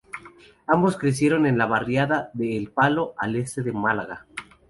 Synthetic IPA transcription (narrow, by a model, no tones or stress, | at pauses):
ambo̞skɾe̞s̬je̞ɾo̞ne̞nlaβarjaðaðe̞ːlpalo̞ʔale̞st̪e̞ðemalaɣa